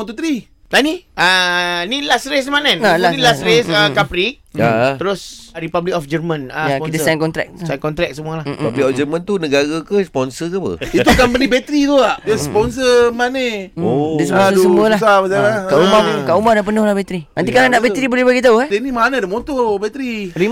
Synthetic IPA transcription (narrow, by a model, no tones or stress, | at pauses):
ot̪ot̪ɾi | lanianilasɾesmanənalailasɾesəkapɾik̚jat̪əɾʊsɾipablik̚ɔfd͡ʒərmãnajjapit̪aajnkɔnt̪ɾɛ̰k̚sajnkɔnt̪ɾɛk̚səmuəlahpablikɔfd͡ʒərmant̪unəɡaɾəkəspɔnsəkəpə̰it̪ukampənibet̪ɾit̪uaʔdəspɔns̬əmanedəsəmdsəmmuəlaabəsalakaʔumakaʔumadaʔpənʊhlahbet̪ɾinant̪ikalaŋdaʔbet̪ɾibolɛhbaɡit̪auɛdenimanədamot̪obɛt̪ɾini